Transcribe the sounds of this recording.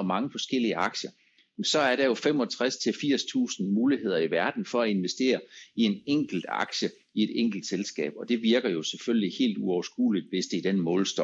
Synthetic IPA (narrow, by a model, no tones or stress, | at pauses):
ɒmɑ̈ŋəfɒ̽sɡ̥el̰iəʔɑ̈ɡ̥ɕɐ | mensɒ̽æɐɾɑ̈jo̝fem̰ɒ̽t͡sʰʁast͡sʰe̝lfiɐ̰st͡sʰṵːsn̩muːlihe̝ð̞̰ˠɐiʋæɐd̥n̩fɒ̽æe̝nʋesd̥e̝̰ːɐie̝neŋ̰ɡ̥l̩d̥ɑ̰̈ɡ̥ɕə | ie̝d̥eŋ̰ɡ̥l̩d̥selsɡ̥ɛ̰ːb̥ɒ̽d̥e̝ʋiɐɡ̥ɐjo̝seføllihe̝̰ːld̥uɒʊɐsɡ̥ṵːlid̥ʋe̝sd̥eid̥enmɔ̽ːlsd̥ɒ